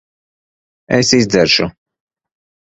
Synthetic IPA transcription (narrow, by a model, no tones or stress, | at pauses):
ɛsizd̪zɛɾʃu